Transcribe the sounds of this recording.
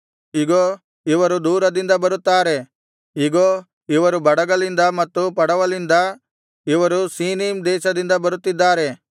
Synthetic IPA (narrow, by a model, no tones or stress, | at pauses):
iɡoː | iʋɐɾud̪uːɾɐd̪ind̪ɐbɐɾut̪ːaːɾe̞ | iɡoː | iʋɐɾubɐɽɐɡɐlind̪ɐmɐt̪ːupɐɽɐʋɐlind̪ɐ | iʋɐɾusiːniːmd̪ɛːʃɐd̪ind̪ɐbɐɾut̪ːid̪ːaːɾe̞